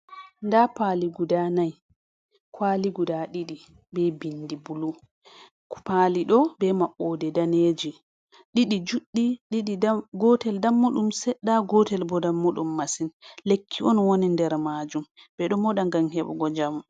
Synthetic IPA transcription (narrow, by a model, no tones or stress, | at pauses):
ndapaliɡudanaj | kʰwaːliɡudaɗiɗi | bɛbinːdibulu | paliɗɔbɛmaɓːɔdɛdaned͡ʒi | ɗiɗid͡ʒuɗːiɗiɗiɡɔtɛldamːuɗumsɛɗːaɡɔtɛlbɔdamːuɗumːasinlekʰːiʔɔnwonindɛɾmad͡ʒum | bɛɗɔmɔɗaŋɡaŋhɛɓɔ̰ɡɔd͡ʒam